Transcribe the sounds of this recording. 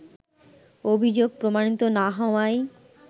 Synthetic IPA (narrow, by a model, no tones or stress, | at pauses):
obʱid͡ʑoɡ̚pɾomaɽ̃it̪onaɦɔwaj